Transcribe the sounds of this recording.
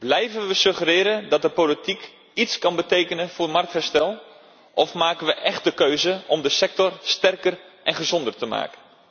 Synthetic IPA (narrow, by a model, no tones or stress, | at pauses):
b̥lɛjvənʋəsɵχərɪːɾəndɑt̚dəpolitik | itskɑnbətejkənənvʊːrmɑrk̚thɛɹstɛlˠ | ʔɔfmaːkənʋəʔɛxtdəkøɥzəɔmdəsɛk̚tɔrstɛrkərʔɛnχəzɔndərtəma̰ːkən